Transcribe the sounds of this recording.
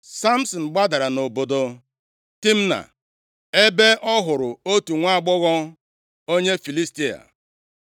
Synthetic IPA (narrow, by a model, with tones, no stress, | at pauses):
sa˦m̩˦sɔ˨n̩˨ɡ͡ba˦da˨ɾa˨no˨bo˨do˨ | ti˦m̩˦na̰˨ | e˦be˦ʔɔ˦ɦʊ˨ɾʊ˨o˦tu˨ŋʷa˦˨ɡ͡bʊ˦ɣɔ˦ | o˦ɲe˦fi˨li˦sti˦a̰˨